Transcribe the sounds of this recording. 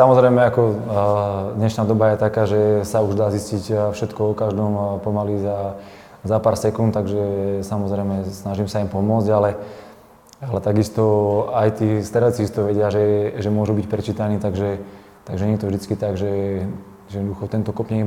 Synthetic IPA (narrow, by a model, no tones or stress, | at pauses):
samɔzɾɛjmɛakɔ | d̪ɲɛʃnaːd̪ɔbajɛt̪akaːʒɛsauʒd̪aːziscicfʃɛt̪kɔɔkaʒd̪ɔmpɔmaliza | zapaːɾsɛkunt̪t̪aɡʒɛsamɔzɾɛjmɛsnaʒimsaimpɔmʊɔd͡zɟalɛ | alɛt̪aɡist̪ɔajt̪iːst̪aɾat͡siist̪ɔʋɛɟɪaʒɛʒɛmʊɔʒubicpɾɛt͡ʃiːt̪aniːt̪aɡʒɛ | t̪aɡʒɛɲɛt̪ɔvʒd̪it͡skit̪aɡʒɛ | ʒɛjɛd̪ɔd̪uxɔt̪ɛnt̪ɔkɔpɲɛɡ